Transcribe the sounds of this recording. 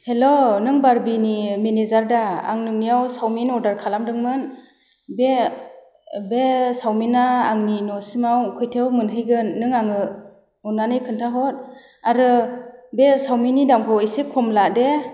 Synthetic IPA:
helonɯŋbaɾbinimenezaɾdaa̰ŋnɯŋnijawsawminɔdaɾkʰalamdɯŋmɯn | be | besawminaːŋninɔsimawkʰɯjtʰewmɯnɦɯjɡɯnːɯŋaŋɯ | ɔnːanɯjkʰɯntʰaɦɔt̚ | aɾɯbesawminidamkʰɔisikʰɔmlade

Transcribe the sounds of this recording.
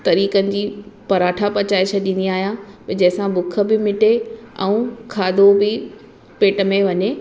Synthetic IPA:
t̪ɐɾiːkənɪ̆d͡ʑiːpɐɾaːʈʰapɐt͡ɕaːit͡ɕʰɐɗĩːnd̪iaːɦijãpd͡ʑɐ̃ɦɪ̃sãbʊkʰə̆bɪmɪʈeɛ̰̃ũkʰaːd̪obɪ | peːʈə̆mẽʋɐɲe

